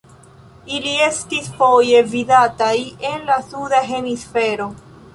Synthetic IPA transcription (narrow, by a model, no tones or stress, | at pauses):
ilie̞stisfo̞je̞vidatajenlasudaɦe̞misfe̞ɾo̞